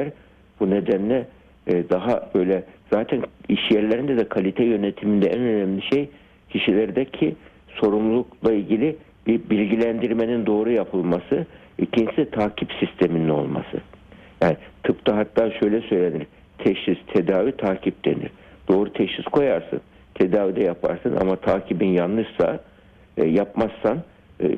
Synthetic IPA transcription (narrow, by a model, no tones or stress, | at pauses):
lʲæɾ | bune̞d̪ænlʲɛ | d̪aɦab̥ø̞jlʲɛz̥aːt̪ʰæniʃjɛɾlʲe̞ɾind̪ɛd̪ɛkʰalʲit̪ʰɛjø̞net̪ʰimind̪ɛænø̞næmlʲiʃej | cʰiʃilʲæɾd̪ɛcʰi | so̞ɾumlˠuklˠailʲɟilʲi | bibilʲɟilʲænd̪iɾme̞nind̪o̞ːɾujapʰɯlˠmasɯ | icʰinsiɛt̪ʰaːcʰipsist̪ʰe̞minino̞̰lˠma̰sɯ̰ | jaːnit̪ʰɯpt̪ʰaɦat̪ʰːaːʃø̞jlʲɛsø̞jlʲe̞nilʲ | t̪ʰɛʃist̪ʰed̪aːvit̪ʰaːcʰip̚d̪e̞̰nḭɾ̥ | d̪̥o̞ːɾut̪ʰɛʃiskʰo̞jaɾsɯ̰n | t̪ʰed̪aːvid̪ɛjapʰa̰ɾsɯnʔa̰mat̪ʰaːcʰibinjanlˠɯʃsa̰ | japmasːan